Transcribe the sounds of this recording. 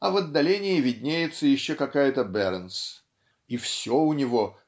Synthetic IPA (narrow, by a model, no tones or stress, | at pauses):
ɐvɐd̪ːɐlʲenʲɪɪvʲɪdʲnʲejɪt̪səjɪɕːokɐkajət̪əbɛɾəns | ifsʲoʊnʲɪvo̞